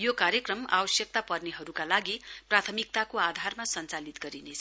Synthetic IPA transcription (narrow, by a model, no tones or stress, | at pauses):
jokaɾjʌkrʌma̰bʌsjʌk̚t̪apʌrneɦʌɾukalaɡiprat̪ʰʌmik̚t̪akoad̪ʱarmasʌnt͡salit̪ɡʌɾinet͡sʰ